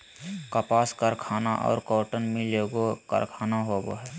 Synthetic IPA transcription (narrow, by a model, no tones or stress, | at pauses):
kəpaːskəɾkʰaːnaʔɔ̰ːɾkɔːʈənmeloːɡokə̰ɾkʰaːnaɦobo̰ɦɛː